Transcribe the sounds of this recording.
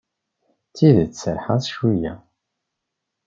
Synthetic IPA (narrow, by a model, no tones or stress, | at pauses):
t͡sːiðt͡sːsəɾħaðˤʃujæ̰